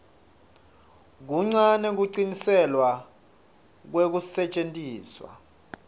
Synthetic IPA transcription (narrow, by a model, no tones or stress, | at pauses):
k̬uŋ͡ǀanɛk̬uǀinisɛlwa | k̬wek̬usɛt͡ʃʼentʼiːswa̰